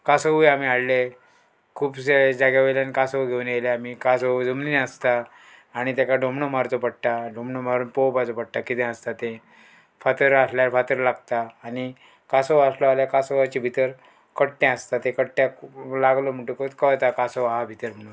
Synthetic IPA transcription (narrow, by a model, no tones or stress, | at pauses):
kasəʋujam̤iaɽle | kʰuːbsed͡zaɡjaʋeljankasəʋɡʱewuneleamikasod͡zumlinəst̪aː | ɽ̃it̪jakaɖʱomɳomaɾt͡sopəɽʈ̪aɖʱomɳomaɾuːnpowpad͡zopəɽ̚t̪akit̪ɛ̃əst̪at̪e | fat̪əɾasljaɾfat̪əɾlaɡt̪aːɽi | kasoʋaslɔaljakasoʋat͡ɕibʱit̪əɾ | kəɽʈɛ̃əst̪at̪ekəɽʈjalaɡlom̤əɳʈũkot̪kəʋt̪akasoʋaɦabʱit̪əɾm̤əɽũn